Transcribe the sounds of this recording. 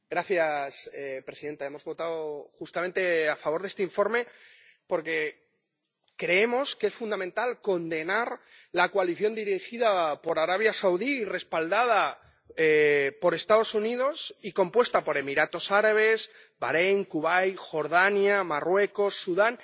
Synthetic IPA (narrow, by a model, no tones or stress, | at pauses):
ɡɾaθjasepɾe̞siðe̞nt̪ae̞mo̞zβo̞t̪aðoxust̪ament̪e̞afaβo̞ɾðe̞st̪eiɱfo̞ɾme̞ | po̞ɾke̞ | kɾe̞e̞mo̞skee̞sfund̪amẽnt̪alko̞nd̪e̞naɾ | lakoaliθjo̞nd̪iɾixiðapo̞ɾaɾaβ̞jasawðiːre̞spald̪að̞a | epo̞ɾe̞st̪að̞o̞suniðo̞siko̞mpwe̞st̪apo̞ɾe̞miɾat̪o̞saɾaβ̞e̞z | ba̰ɾe̞ŋkuβajxo̞ɾðanjamarwe̞ko̞sːuðan